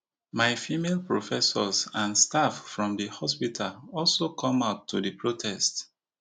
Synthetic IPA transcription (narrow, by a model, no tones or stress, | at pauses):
maɪfimelpɹofɛsɔsãnstaffɹɔ̃mdəhɔspitʰalɔlsokʰɔ̃maʊtʰːudəpʰɹotʰɛst